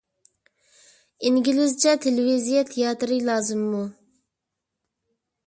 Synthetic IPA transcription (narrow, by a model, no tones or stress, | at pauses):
iŋɡʲilɪzt͡ʃʰɛt̪ʰelɪvizijɛt̪ʰejɑt̪ɨɾɨlˠɑːzɨmːu